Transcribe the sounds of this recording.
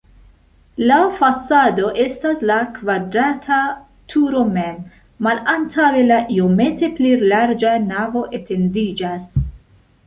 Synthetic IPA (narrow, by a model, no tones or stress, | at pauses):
lafasado̞ʔe̞staslakvadɾatʰa | tʰuɾo̞me̞mː | alantʰawe̞laʔio̞me̞te̞plelaɾd͡ʒanavo̞ʔe̞te̞ndid͡ʒas